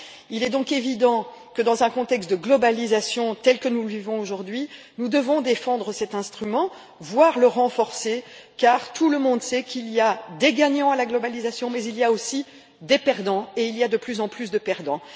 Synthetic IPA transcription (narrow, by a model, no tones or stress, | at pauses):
ilɛd̪ɔ̃kevid̪ɑ̃ | kəd̪ɑ̃zɛ̃kɔ̃t̪ɛkst̪̚d̪əɡlɔbalizasjɔ̃t̪ɛlkənuləvivɔ̃oʒuʁd̪ɥi | nud̪əvɔ̃d̪efɑ̃d̪ʁəsɛt̪ɛ̃st̪χymɑ̃ | vwaʁləʁɑ̃fɔʁsekaʁt̪uləmɔ̃d̪sɛkʰilijad̪eɡaɲɑ̃alaɡlɔbalizasjɔ̃mɛzilijaosi | d̪epɛʁd̪ɑ̃eilijad̪əplyzɑ̃plys̬d̪əpɛʁd̪ɑ̃